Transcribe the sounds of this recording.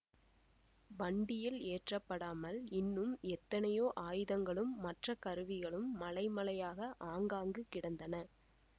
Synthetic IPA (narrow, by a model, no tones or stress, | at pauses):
bɐɳɖɪjɪleːʈrɐpːɐɽaːmɐlɪnːɯmɛt̪ːɐnɐjoːʔaːjɯðɐŋɡɐɭɯmːɐʈrɐkɐɾɯʋɪɣɐɭɯmːɐlɐɪmɐlɐjaːɣɐʔaːŋɡaːŋɡɯkɪɽɐnd̪ɐnɐ